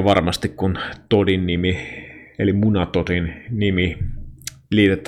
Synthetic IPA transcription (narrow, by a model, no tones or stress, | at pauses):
ʋɑrmɑst̪ikkunt̪odinːimielimunɑt̪odinnimi | liːt̪et̪ːˑ